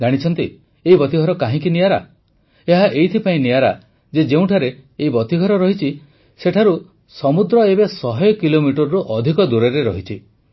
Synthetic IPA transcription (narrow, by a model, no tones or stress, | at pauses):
ɡaɽ̃it͡ʃʰɔnt̪i | eibɔt̪iɡʱɔɾɔkaɦĩkinijaɾa̰ | eɦaʔejt̪ʰipaĩnijaɾa | d͡ʒed͡ʒeũʈʰaɾeeibɔt̪iɡʱɔɾɔɾɔɦit͡ʃʰi | seʈʰaɾu | sɔmud̪ɾɔebesɔɦɔjɔkilomiʈɔɾɾuʔɔd̪ʱikɔd̪uɾeɾeɾɔɦit͡ʃʰi